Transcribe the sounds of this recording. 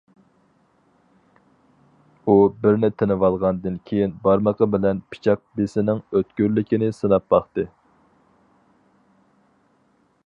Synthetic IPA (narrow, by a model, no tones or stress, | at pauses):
ubɪɾnɪt̪ʰenɨwɑlˠʁɑnd̪ɨnkʲʰejinbɑɾməqʰəbɪlɛnpʰi̥t͡ʃʰɑq̚besɪnɪŋøt̪kʲyɾlɪkʲinɪsɨnɑp̚bɑχt̪ɨ